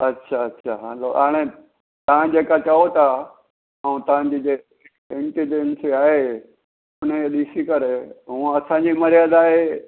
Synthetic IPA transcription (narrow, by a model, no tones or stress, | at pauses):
ɐtːʃʰaɐtːʃʰaɦãloʔaːɽ̃e | t̪ɐʋ̤ãd͡ʑeːkat͡ɕɐɦot̪a | əũt̪ɐʋ̤ãɲd͡ʑiːd͡ʒe | ɪ̃ɳʈiɖensiaːɦe | ʊneɗ̪iːsikɐɾeɦũːɐsãɲd͡ʑimɐɾijaːd̪aːɦe